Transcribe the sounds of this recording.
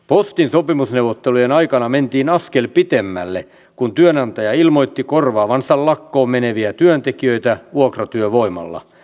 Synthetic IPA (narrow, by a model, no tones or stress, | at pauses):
post̪insopimusneuwʋot̪ːelujenɑikɑnɑment̪iːnɑskelpit̪emːælːe | kunt̪yønɑnt̪ɑjɑilmojt̪ːikorʋɑːʋɑnsɑllɑkːoːmmeneʋiæt̪yønt̪ekiøit̪æuokrɑt̪yøʋo̞imɑ̰lːɑ̰